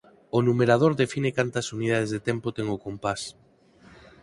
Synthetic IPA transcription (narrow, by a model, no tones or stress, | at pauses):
onumeɾað̞oɾðefinɪkant̪ɐsuniðað̞ezðet̪ɛmpot̪ɛŋʊkompas